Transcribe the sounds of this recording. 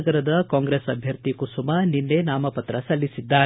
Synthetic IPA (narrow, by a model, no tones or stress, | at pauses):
ɡɐɾɐd̪ɐkaːŋɡɾesɐbʱjɐɾt̪ikusumɐninːe̞naːmɐpɐt̪ɾɐsɐlːisid̪ːaː